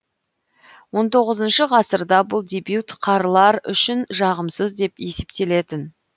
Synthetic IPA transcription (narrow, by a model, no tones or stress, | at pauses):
wo̞nt̪ʰo̞ʁəzənʃəʁɑsəɾd̪ɑbʊlˠd̪ʲebjut̪qʰɑɾlˠɑɾʏ̰ʃɪnʒɑʁəmsəzd̪e̞pje̞se̞pt̪e̞le̞t̪ɪn